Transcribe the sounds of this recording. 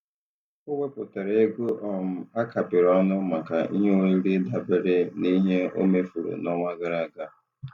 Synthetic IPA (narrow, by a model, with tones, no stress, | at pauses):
ʊ˦wʷe˦pʊ˨ta˨ɾa˨e˦ɡu˦ʔɔ˦m̩˨a˦ka˨pɪ˨ɾɔ˦nʊ˦ma˨ka˨ḭ˦ɦe˦i˦li˦da˨bɪ˦ɾɪ˦ni˦ɦe˦o̰˦me˦fu˨ɾṵ˨nɔ˦ŋa˦ɡa˦ɾa˦˨ɡa˦˨